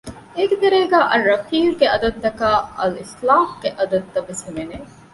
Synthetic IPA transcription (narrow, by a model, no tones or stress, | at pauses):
eːked̪ɐɾeːɡaːʔɐrːɐfiːɾɡeɐd̪ɐd̪̚t̪ɐkaːɐlislaːhɡeʔɐd̪ɐd̪̚t̪ːɐʋeshemene